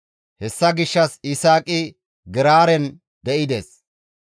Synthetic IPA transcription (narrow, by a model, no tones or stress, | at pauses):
hɛsːɐɡɪʃːɐsɪsaːkʼɪ | ɡɛɾaːɾɛn | d̪ɛʔɪd̪eːs